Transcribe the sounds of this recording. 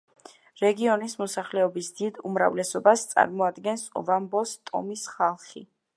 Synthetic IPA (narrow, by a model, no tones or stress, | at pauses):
ɾɛɡiɔnismɔsaχlɛɔbisd̪id̪umɾa̰vlɛsɔbast̪sʼa̰ɾmɔad̪ɡɛnsɔ̰vambɔst̪ʼɔ̰misχalˠχi